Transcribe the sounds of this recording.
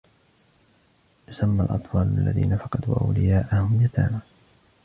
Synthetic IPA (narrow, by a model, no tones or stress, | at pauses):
jʊsamːalʔɑ̰t̪ˤfɑːlalːaðḭːnafɑqɑd̪uwʔa̰wlɪjaːʔahʊmjat̪ʰa̰ːnaː